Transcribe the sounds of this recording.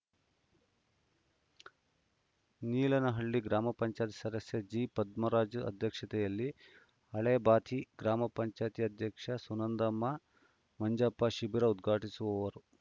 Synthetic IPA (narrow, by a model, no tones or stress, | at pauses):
niːlɐnɐɦɐɭːiɡɾaːmɐpɐɲt͡ʃaːjt̪i̥sɐd̪ɐsjɐd͡ʒiːpɐd̪mɐɾaːd͡ʒɐ̰d̪ʱjɐkʂɐt̪ɛjɐlːi | ɐɭebaːt̪ʰiɡɾaːmɐpɐɲt͡ʃaːjt̪ijɐd̪ʱjɐkʂɐsunɐnd̪ɐmːɐ | mɐɲd͡ʒaːpːɐʃibiɾɐud̪ɡʱaːʈisuʋɐʋɐɾu